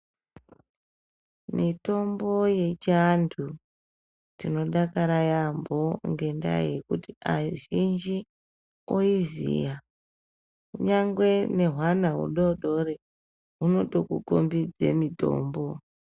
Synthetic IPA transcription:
mito̞mbo̞je̞t͡ʃantʰu | tino̞ɗakaɾajamboŋɡe̞nda̰je̞kutiaʒind͡ʒi | oizḭja | kuɲaŋɡwe̞ne̞ɦwanaṵɗoɗo̞ɾe | uno̞ɗo̞kuko̰mbid͡zḛmito̞̰ːmbo̞

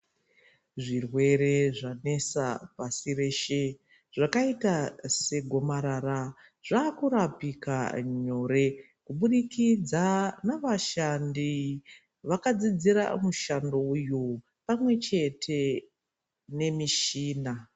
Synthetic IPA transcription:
ʐirwe̞ɾe̞ʐane̞sa̰pasire̞ʃe | ʐakaitase̞ɡʱo̞maɾara | ʐ̥aːkuɾapika̰ɲo̞ɾe̞ | kuɓuɗikid͡zanaʋaʃandi | ʋakad͡zid͡ziɾa̰muʃando̞uju | pamwe̞t͡ʃe̞tʰe̞ | ne̞miʃiːna

